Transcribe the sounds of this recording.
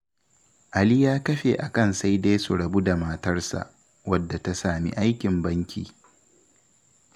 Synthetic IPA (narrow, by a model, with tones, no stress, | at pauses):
ʔa˨li˦jaː˦kɐ˦ɸḛ˨ʔa˨kɐ˦nsa˦jda˦jsu˨ɽɐ˨bu˦da˨mɐː˦tɐ˦rsa̰˨ʔ | wɐ˦dːa˨ta˦saː˨mḭ˦ʔa˦jkʲɪ˨mbɐ˦ŋkʲḭː˨